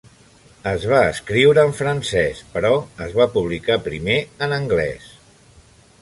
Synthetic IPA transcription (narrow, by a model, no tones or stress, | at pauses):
əzβ̞aəskɾiwɾəːɱfɾənsɛspəɾɔəzβapuβ̞likapɾimeənəŋɡlɛ̰s